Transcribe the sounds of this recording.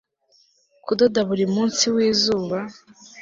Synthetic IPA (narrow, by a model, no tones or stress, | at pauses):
kudodaβuɾiumuːnsiwiːzuːβa